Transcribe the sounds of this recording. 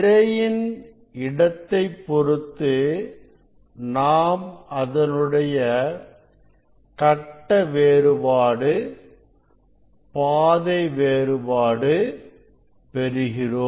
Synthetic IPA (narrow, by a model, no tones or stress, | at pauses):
ɾɐjɪn | ɪɽɐt̪ːɐɪpːɔɾɯt̪ːɯ | naːmɐðɐnɯɽɐjɐ | kɐʈːɐʋeːɾɯbaːɽɯ | paːðɐɪʋeːɾɯbaːɽɯ | pɛɾɯɣɪroː